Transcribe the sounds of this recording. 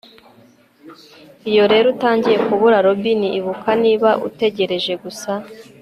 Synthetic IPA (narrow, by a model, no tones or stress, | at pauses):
ijo̞ɾe̞ːɾutaːɲɟije̞kuβuɾaɾobiniʔiβukaniːβaʔṵte̞ɟe̞ɾe̞ʒe̞ɡusa